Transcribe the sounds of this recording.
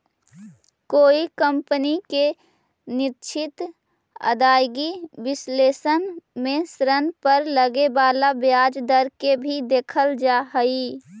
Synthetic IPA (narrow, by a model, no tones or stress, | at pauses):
koːikəmpənike | nɪtt͡ʃʰɪt̪ | ə̰d̪aːjɡibɪsleːsənmẽsɾənpəɾləɡebaːlabjaːd͡ʒd̪əɾkebʱid̪eːkʰəld͡ʒaɦəi